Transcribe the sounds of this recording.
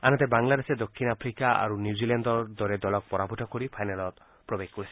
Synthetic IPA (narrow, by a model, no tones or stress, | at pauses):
anɔ̃t̪ebaŋlad̪esed̪okʰːinapʰɾikaʔa̰ɾunjuziland̪ɔɾd̪ɔɾed̪ɔlɔk̚pɔɾabʱuʈʰɔkoɾipʰajnalɔt̪ | pɾobeɡkoɾisʰi̥